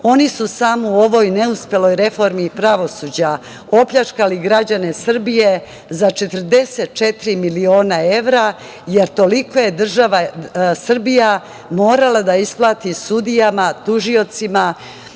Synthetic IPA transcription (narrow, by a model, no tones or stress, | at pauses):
o̞nisusaːmoo̞ʋo̞jne̞uspje̞lo̞jɾe̞fo̞ɾmipɾaʋo̞suːd͡ʑa | o̞pʎat͡ʃkaliɡɾad͡ʑane̞sr̩bije̞ | zat͡ʃe̞t̪ɾ̩d̪e̞set̪̚t͡ʃe̞t̪ɾimilio̞ːnae̞ʋɾa | je̞ɾt̪o̞liko̞je̞d̪r̩ʒaʋasr̩bija | mo̞ːɾalad̪aisplˠaːt̪isud̪ijamat̪uʒio̞t̪sima